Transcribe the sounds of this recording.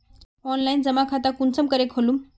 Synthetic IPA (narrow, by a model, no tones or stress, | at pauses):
ɔnlaind͡zəmakʰat̪akunt͡səmkəɾekʰolum